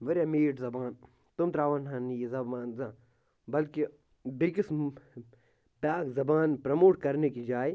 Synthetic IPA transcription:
ʋɐɾjaːmiːʈzɐbaːn | t̪ʊmt̪ɾaːʋanɦãnijzɐbaːnzã | bɐlki | bikɪsm | paːkzɐbaːnpɾɐmoːʈkɐɾnekid͡ʒaːe

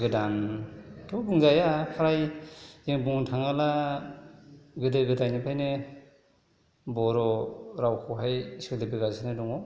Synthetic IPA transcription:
ɡɯdamtʰubuŋzajapʰaɾajiŋbuŋtʰaŋala | ɡɯdɯɡɯdajnipʰajnɯ | bɔɾɔɾawkʰɔwɦajsɯdɯbiɡazanɯdɔŋɔ

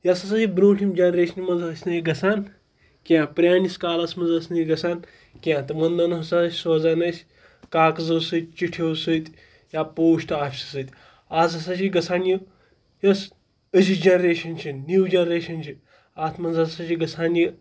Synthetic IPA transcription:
jɐsɐsɐsibɾoːʈʰimd͡ʒɐnɾeːʃɐnʲimɐnzɦɐsʲnɐjiɡɐsaːn | kʲãːpɾʲjaːniskaːlɐsmɐnzɐsʲnɐjiɡɐsaːn | kʲãːt̪ɨmɐnd̪ɐnɦɐsaɐsʲsoːzaːnɐsʲ | kaːkzɐwsɨt̪̚ʲt͡ʃiʈʰʲewsət̪ʲ | jaːpoːʃʈaːfʲsi̥sɨt̪ʲ | aːzɦɐsɐt͡ʃiɡɐsaːnji | jɐs | əzid͡ʒɐnɾeːʃɐnt͡ʃʰinːuːd͡ʒɐnɾeːʃɐnt͡ʃʰi | aːt̪ʰmɐnzɐsɐt͡ʃiɡɐsʰaːnji

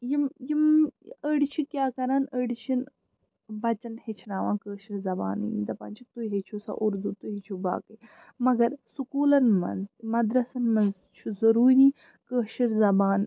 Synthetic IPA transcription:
jimjiməːɖit͡ʃʰikʲjaːkɐɾaːnəːɽit͡ʃʰin | bɐt͡ʃɐnhet͡ʃʰnaːʋa̰ːnkəːʃiɾzɐba̰ːnḭḭd̪ɐpa̰ːnt͡ʃʰik̚t̪ujɦet͡ʃʰusɐ̰ʔuɾd̪ut̪uɦet͡ʃʰuba̰ːkəj | mɐɡɐɾsukuːlɐnmɐ̰nzmɐd̪ɾɐsɐnmɐnz | t͡ʃʰuzɐɾuːɾi | kəːʃiɾzɐbaːn

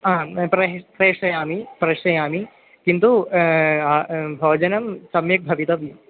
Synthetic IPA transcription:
aːpɾɐpɾeːʂɐjaːmipɾɐʂɐjaːmi | kint̪u | bʱɐːd͡ʒɐnɐmsɐmjɐk̚bʱɐʋit̪ɐʋi

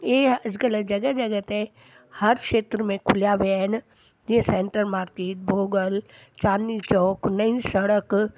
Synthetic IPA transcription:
eːɐd͡ʒkəld͡ʒɐɡəd͡ʒɐɡət̪ɦɛ | hɐɾkʃeːt̪ɾəmẽkʰʊljaʋean | d͡ʒiẽsẽːɳʈəɾmaːɾkeːʈ̚bʱoːɡəl | t͡ʃaːnːit͡ʃɔːknɐisɐɽək

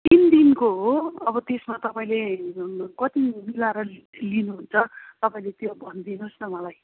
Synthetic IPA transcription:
t̪ind̪inkoɦoʌbʌt̪esmat̪ʌpaĩle | kʌt̪imilaɾʌ | linuɦunt͡sʰʌt̪ʌpaĩlet̪jobʱʌnd̪inusnʌmʌlaj

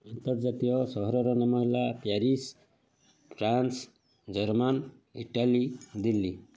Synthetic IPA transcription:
ant̪ɔɾd͡ʒat̪ijɔsɔɦɔɾɔɾɔnɔmɔɦelapjaɾis | pʰɾans | d͡ʒʌɾman | ḭʈalid̪ilːi

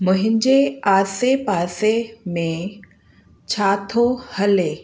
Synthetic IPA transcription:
mʊ̃ɦɪ̃ɲd͡ʑeaːsepaːsemẽ | t͡ɕʰaːt̪ʰohɐle

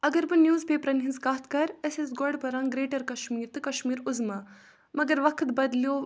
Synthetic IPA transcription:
ɐɡɐɾbɨnjuːzpeːpɾɐnɦinzkaːt̪ʰkɐɾəsesɡɔɖpɐɾaːŋɡɾeːʈɐɾkɐʃmiːɾt̪ɨkɐʃmiːɾʊzmaː | mɐɡɐɾʋɐkʰt̪bɐd̪ljoː

